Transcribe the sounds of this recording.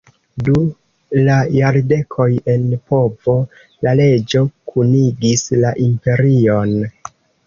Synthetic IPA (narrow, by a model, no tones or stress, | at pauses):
du | lajaɾde̞kʰo̞je̞npo̞vo̞ | lale̞d͡ʒo̞kʰuniɡislaʔimpe̞ɾio̞n